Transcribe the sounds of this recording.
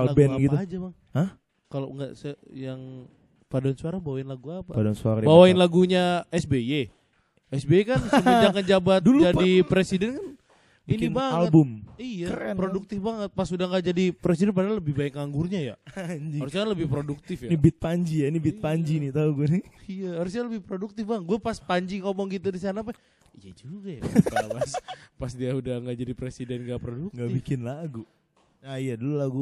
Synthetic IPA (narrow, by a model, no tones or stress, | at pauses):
allaɡbɛnɡit̪ud͡ʒabaŋ | həh | kalo̰ŋɡa̰sjaŋ | padansuaɾabawaɪnlaɡuapapadansuaɾabawaɪnlaɡuɲaɛsbee | ɛsbekansəmiɲd͡ʒakand͡ʒabat̪duld͡ʒadipɾesidɛnkan | biikɪinbaŋalətbʊmijakɾɛnpɾoduk̚t̪ɪfbaŋət̪̚pasudahŋɡad͡ʒadipɾesidɛnpadaləbɪhbaɪkːaŋɡurɲaja̰aɲd͡ʒihaɾusɲakanləbɪhpɾoduk̚t̪ɪfjanibɪt̪̚paɲd͡ʒijainibɪt̪̚paɲd͡ʒinit̪auɡuniijahaɾus̬ɲaləbɪhpɾoduk̚t̪ɪfbaŋkɡuapaspaɲd͡ʒikomɔŋɡit̪udisanap̬a | ijad͡ʒuɡajapapaspasdiaudaŋɡad͡ʒadipɾesidɛnŋɡapɾodukŋɡabikɪnlaɡu | naijadululaɡu